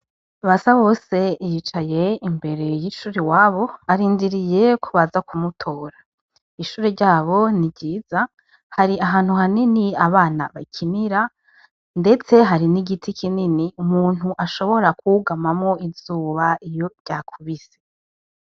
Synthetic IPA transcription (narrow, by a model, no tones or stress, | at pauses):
βasaβo̞se̞jit͡ʃaje̞imbe̞ɾe̞jiʃuːɾiwaːβo̞aɾiːndiɾije̞kʰuβazakʰumutʰo̞ːɾḁ | iʃuːɾeɾɟaːβo̞nibɟiːz̥a | haɾiaɦaːn̥huhaniniaβaːnaβacʰiniɾa | nde̞t͡seɦaɾiniɡitʰikʰininiumuːn̥huʔaʃo̞βo̞ɾakuɡamamŋo̞ʔivz̥uːβaijo̞ɟ̥aːkʰuβise